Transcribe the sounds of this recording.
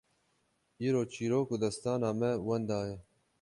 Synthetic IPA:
iːɾoːt͡ʃiːɾoːkud̪ɐst̪ɑːnɑːmɛwɐnd̪ɑːje

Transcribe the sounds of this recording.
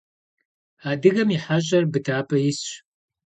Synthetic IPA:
aːdɨɣɐmiħaʑɐrbɨtʰaːpʰʼɐjɪsɕ

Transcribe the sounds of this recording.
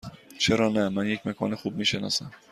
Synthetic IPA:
t͡ʃʰeɾɒnæmanjekʲmakʰɒ̰nɪχub̚miʃenɒ̰san

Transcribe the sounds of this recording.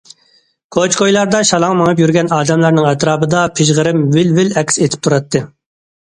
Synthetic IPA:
kʰot͡ʃkʰojlˠɑɾd̪ɑʃɑlˠɑŋmɑŋɨp̬jyɾɡʲɛnɑːd̪ɛmlˠɑɾnɨŋɛt̪ɾɑːbɨd̪ɑpʰɪʒʁəɾɪmwɪlvɪlɛkʲset̪ʰɪ̥p̚t̪ʰuɾɑt̪ʰːɨ

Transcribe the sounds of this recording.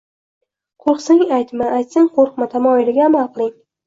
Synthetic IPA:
qʰoqsɪŋajt̪mɪʔajt̪sɪŋqʰoɾqmɪt̪ʰamɒɪlɪɡʲaːmalˠqʰɨlˠɪŋ

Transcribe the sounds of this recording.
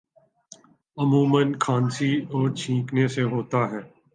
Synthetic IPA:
əmuːmənkʰãːnsiɔːɾt͡ʃʰĩːkneseɦoːt̪aɦɛː

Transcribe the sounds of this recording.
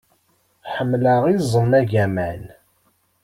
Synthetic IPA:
ħəmːləʁizˤənːæʝæmæn

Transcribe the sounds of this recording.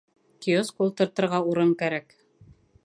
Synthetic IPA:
kioskulˠt̪ɤ̆ɾt̪ɤ̆ɾʁɑuɾɤŋkæɾæk

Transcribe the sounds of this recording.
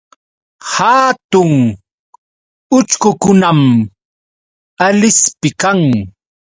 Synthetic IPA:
hat̪ʊŋ | ʊt͡ʃkʊkʊnam | alɪspɪkaŋ

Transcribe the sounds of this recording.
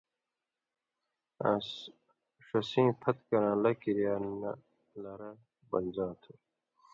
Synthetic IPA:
as | ʂɐsĩːpʰɐt̪kɐɾãːlɐkiɾjaːnɐ | lɐɾɐ | bɐ̰nd͡ʑaːt̪ʰu

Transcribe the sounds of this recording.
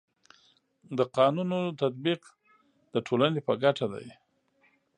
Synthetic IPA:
d̪əqɑnunot̪at̪̚biq | d̪əʈʰolanepəɡaʈad̪a̰j

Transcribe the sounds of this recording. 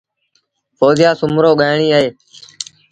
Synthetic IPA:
foːzɪjaːsʊmɾoːɠaːɪɳiːəɦeː

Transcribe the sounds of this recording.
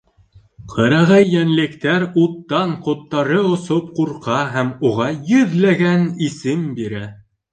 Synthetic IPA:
qʰɤ̆ɾɑʁæjːænlɘ̆kt̪æɾut̪ːɑɴqŏt̪ːɑɾɤŏsop̚quɾqɑɦæmuʁɑjɵ̆ðlæɡænisɘmbiɾæ

